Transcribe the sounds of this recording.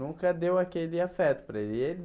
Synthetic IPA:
ũkɐd̪ewakelɪafɛt̪ʊ̥pɾɐelel

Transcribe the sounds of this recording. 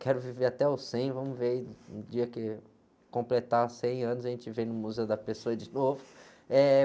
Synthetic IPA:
kɛɾʊviveɾat̪ɛawsẽj̃vɐ̃mʊveɾiṵ̃d͡ʒiɐkɪ | kõmplet̪asẽj̃ɐ̃nʊzaʒẽnt͡ʃɪvẽj̃nʊmuzeʊd̪ɐpesoɐd͡ʒɪnovʊ | ɛ

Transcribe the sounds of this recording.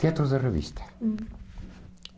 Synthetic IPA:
iat̪ɾuðɐʁɨvḭʃt̪ʰɐ̥

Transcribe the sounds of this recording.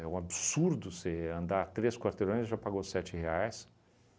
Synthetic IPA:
ɛũabsuɾd̪ʊseɐ̃nd̪at̪ɾeskwaɾt̪eɾõj̃zsʒapaɡosɛt͡ʃɪheajs

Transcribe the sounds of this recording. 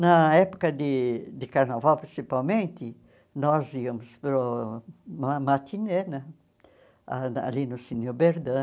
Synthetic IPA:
nɐɛpʊ̥kɐd̪ɪd̪ɪkaɾnavawpɾĩsipawmẽnt̪ɪ | nɔziɐmʊspɾʊ | mamat̪ʰinenɐ | a̰a̰linʊsinʊbeɾd̪ɐ̃

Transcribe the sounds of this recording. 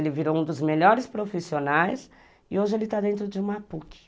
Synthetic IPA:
lɪviɾoũd̪ʊzmeʎɔɾɪspɾofisionajs | ɪoʒɪelɪt̪ad̪ẽnt̪ɾʊd͡ʒɪũmapukɪ̥

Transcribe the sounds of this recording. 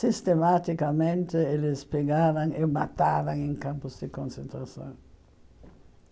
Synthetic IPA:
sist̪emat̪ikamẽnt̪ɪelɪspeɡaɾaŋemat̪aɾaŋẽŋkampʊzd̪ɪkõnsent̪ɾasõ̰ŋ

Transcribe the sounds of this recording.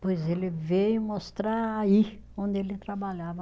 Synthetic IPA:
pojzelɪveʊmost̪ɾaaiõnd̪ɪelɪt̪ɾabaʎavɐ

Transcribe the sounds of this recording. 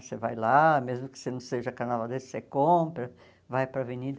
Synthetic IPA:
sevajlamezmʊkɪ̥senɐ̃w̃seʒɐkanavad̪essekõpɾɐ | vajpɾɐvenid̪ɐ

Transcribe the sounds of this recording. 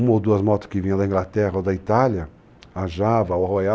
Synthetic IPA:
ũmɐowd̪uɐzmɔt̪ʊ̥skɪvĩɲɐ̃d̪ɐĩŋɡlat̪ɛʁɐod̪ɐit̪aljɐ | aʒavɐwhoja

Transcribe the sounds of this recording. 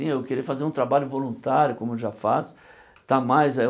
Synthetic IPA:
ĩewkeɾiɐfazeɾũt̪ɾabaʎʊvolũt̪aɾjʊkõmʊewʒafas | t̪amajzɛ

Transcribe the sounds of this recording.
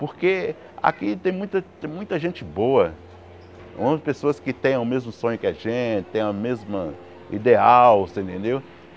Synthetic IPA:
poɾke | a̰kit̪ẽj̃mũj̃t̪ɐt̪ẽj̃mũj̃t̪ɐʒẽnt͡ʃɪboɐ | õpesoɐskɪt̪ẽj̃ʊmezmʊsõɲʊkɪaʒẽt͡ʃɪt̪ẽj̃ɐmezmɐ | ḭd̪eawsẽnt̪ẽnd̪ew

